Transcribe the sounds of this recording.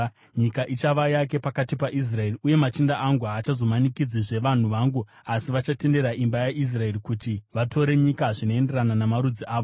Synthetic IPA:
ɲikaʔit͡ʃaʋajake̞pakatipaʔis̬rae̞riuje̞mat͡ʃindaʔaŋɡuaːt͡ʃazo̞manikid͡ziʐe̞ʋan̤uʋaːŋɡu | asiʋat͡ʃate̞nde̞ɾaʔimbajaʔis̬rae̞rikutiʋatʰo̞ɾe̞ɲikaʐino̞e̞nde̞rananamaɾud͡ziʔaːʋo

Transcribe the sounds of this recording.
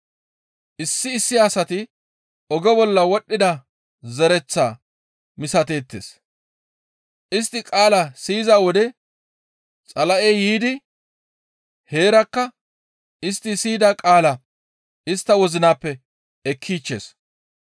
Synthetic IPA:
ʔɪsːɪːsːɪɐsɐt̪ɪ | ɔɡɛbɔlːɐwɔɗːɪd̪ɐ | zɛɾɛt͡sːa̰ː | mɪsɐt̪e̞ːt̪ːḛːs | ʔɪs̬t̪ːɪkʼaːlɐsiːzaːwɔd̪ɛ | t͡sʼɐlɐʔeːjiːd̪ɪ | he̞ːɾɐkːɐ | ɪst̪ːɪsiːd̪akʼaːlɐ | ɪst̪ːɐwɔzɪnaːpːɛ | ɛkʰːiːt͡ʃːḛːs

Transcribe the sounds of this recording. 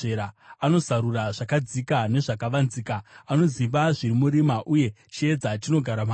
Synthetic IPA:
eɾaano̞zaɾuraʐakad͡zikane̞ʐakaʋanzikaːno̞ziʋaʐiɾimuɾimaʔuje̞ | t͡ʃie̞d͡zat͡ʃino̞ɡʱaɾama

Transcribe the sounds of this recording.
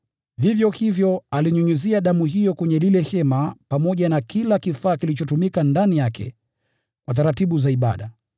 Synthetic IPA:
vivjɔhivjɔaliɲuɲuziaɗamuɦijɔkɛɲɛlilɛhɛmapamɔʄanakʰilakifaːkilit͡ʃɔtumikandanijakʰɛ̰ | kwat̬aɾatiɓuzaiɓa̰ɗa

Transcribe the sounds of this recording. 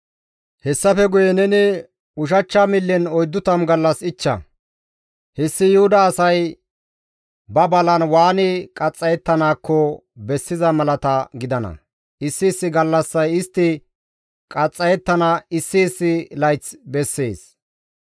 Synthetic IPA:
hɛsːɐfɛɡʊjɛnɛnɪ | ʊʃ̬ɐt͡ʃːamɪlːɪnɔjd̪ːʊt̪ɐmɡɐlːɐsɪt͡ʃːɐ̰ | hɪsːɪjʊhʊd̪ɐːsɐj | bɐbɐlɐnwaːnɪkʼɐt͡sʼːɐjɛt̪ːɐnaːkːɔ | bɛsːɪzɐmɐlɐt̪ɐɡɪd̪ɐnɐ̰ | ɪsːɪːsːɪɡɐlːɐsːɐjɪst̪ːɪ | kʼɐt͡sʼːɐjɛt̪ːɐnɐɪsːɪːsːɪlɐjt͡sbɛsːḛːs

